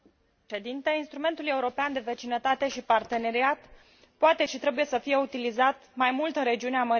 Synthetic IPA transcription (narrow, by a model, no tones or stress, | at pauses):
ʃed̪int̪einst̪ɾume̞nt̪uluje̞uɾo̞peand̪e̞ve̞t͡ʃinət̪at̪e̞ʃipart̪e̞ne̞ɾiat̪ | poat̪e̞ʃit̪ɾe̞buje̞səfije̞ut̪ilizat̪majmult̪ɨnre̞d͡ʒiuneaməɾ